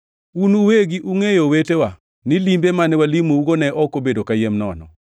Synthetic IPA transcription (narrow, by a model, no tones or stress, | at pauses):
unuweɡiʔuŋejowetewa | nɪlimbemanɛwalimouɡonɛʔɔkobedokajemnɔ̰nɔ̰